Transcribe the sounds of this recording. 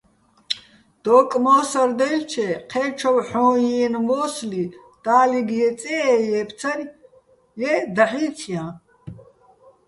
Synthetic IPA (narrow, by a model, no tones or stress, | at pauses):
d̪̥ɔːkʼmɔːsaɾd̪ɛlt͡ʃʰɛqʰɛːt͡ʃʰɔwħɔ̃ːjiːnmɔːsli | d̪̥aːliɡjɛt͡sʼɛɛjɛpʰt͡sʰaɾ | jɛd̪aħiːtʰijã